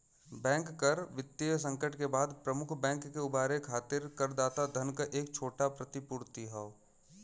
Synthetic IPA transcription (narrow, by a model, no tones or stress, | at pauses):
bɛ̃ːŋkːəɾʋɪt̪ːejsə̃ŋkəʈkebaːd̪pɾəmʊkʰbɛ̃ːŋkːeʊbaːɾekʰaːt̪ɪɾkəɾd̪aːt̪ad̪ʱənkəʔeːkt͡ʃʰoːʈapɾɐt̪ɪpʊɾt̪iɦɛo